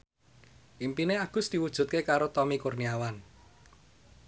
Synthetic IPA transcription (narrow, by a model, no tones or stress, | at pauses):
ʔimpineaɡ̥ʊ̤sd̪̥i̤wud̥ʒ̥ṳt̪̚kekaɾot̪ɔmikurniawan